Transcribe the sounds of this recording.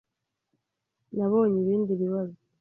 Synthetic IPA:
naβoːɲiβiːndiβiβazi

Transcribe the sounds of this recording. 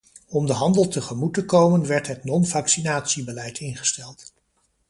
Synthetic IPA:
ɔmdəɦɑndəlˠtəχəmutəkowmənʋɛɹtɦətnɔnvɑksinaːtsibəlɛjtʰɪnχə̥stɛlˠt

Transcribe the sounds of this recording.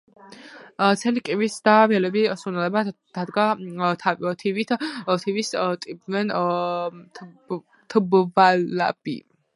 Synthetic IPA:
t̪sʰɛlikʼivisd̪avɛlɛbisunɛlɛbad̪̥ad̪ɡat̪ʰaviɔt̪ʰivit̪ʰɔt̪ʰivist̪ʼibvɛn | t̪ʰbvala̰b̥ḭ

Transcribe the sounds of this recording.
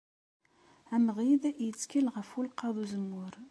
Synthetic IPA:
æməʁiðæʔit͡sːkʰəlʁəfulqɑðˤuzəmʊɾ

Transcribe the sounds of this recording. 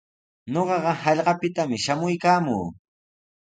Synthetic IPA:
ɲoɢɑɢɑɦɑʎɢɑpɪt̪amɪʃamʊjkaːmṵː

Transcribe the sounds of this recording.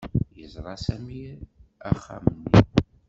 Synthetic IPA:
jəzˤɾˤɑsæmiæχːæ̰mənːi

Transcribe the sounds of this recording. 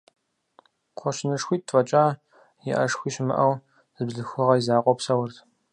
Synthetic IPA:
qʷʰɔʃnɨʂxʷiːt̚tʰʼfʼɐt͡ʃʼaː | jɪ̰ʔɐ̰ʂxʷiːɕmɨ̰ʔɐw | zɨbɮɨxʷʊʁɐizaːqʷʼɔpsɐwʊrtʰ

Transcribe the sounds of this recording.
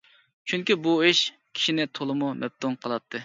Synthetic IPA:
t͡ʃʰyŋkʲibuiʃ | kʲʰi̥ʃinɪt̪ʰolˠɨmumɛp̚t̪ʰuŋqʰəlˠɑp̚t̪ʰːɨ

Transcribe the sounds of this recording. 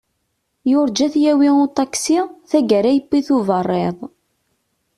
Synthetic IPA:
jʊɾd͡ʒæθjæwiʊt̪ˤɑksiθæɡəɾæjəpːiθʊvərˤːɪðˤ

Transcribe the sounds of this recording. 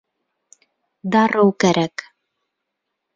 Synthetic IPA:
d̪ɑɾɤwkæɾæk

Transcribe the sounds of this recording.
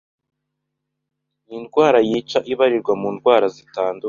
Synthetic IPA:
inɡwaːɾajiːt͡ʃaʔiβaɾiɾɡwamuːnɡwaːɾazitaːndu

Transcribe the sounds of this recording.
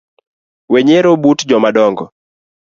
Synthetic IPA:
weɲeɾobutd͡ʒɔmadɔŋɡɔ

